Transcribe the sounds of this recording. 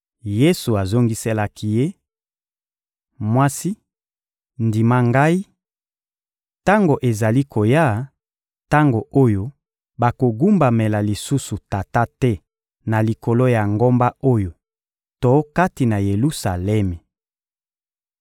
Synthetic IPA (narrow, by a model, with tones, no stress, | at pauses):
je˦su˨a˨zo˦ŋɡi˦se˦la˦kʰi˦je˦ | mwa˦si˦ | ndi˨ma˦ŋɡa˦i˦ | ta˦ŋɡo˨ʔe˨za˨li˦kʰo˨ja˦˨ | ta˦ŋɡo˨ʔo˦jo˦ | ba˨ko˨ɡu˦mba˨me˨la˨li˨su˦su˨ta˨ta˦tɛ˦ | na˨li˨ko˨lo˦ja˨ŋɡo˦mba˦o˦jo˨ | to˦ka˦ti˨na˨je˨lu˦sa˨lɛ˦mɛ˨